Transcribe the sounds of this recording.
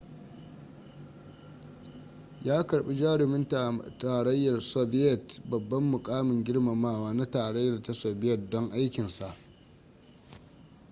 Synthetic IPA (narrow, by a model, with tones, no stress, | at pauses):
jaː˦kɐ˨ɽɓi˦d͡ʒaː˦ɽɪ˨mɪ˦ntaː˨ɽɐ˦jːɐ˨rso˦bɪ˦jɛ˨tbɐ˨bːɐ˦mːʊ˨kʼaː˦mɪ˨ŋɡʲɪ˦ɽma˨maː˦˨waː˦na˦taː˨ɽɐ˦jːɐ˨rta˦so˨bɪ˦jɛ˨t̚dɔ˦ŋʔa˦jkʲɪ˨nsa˨ʔ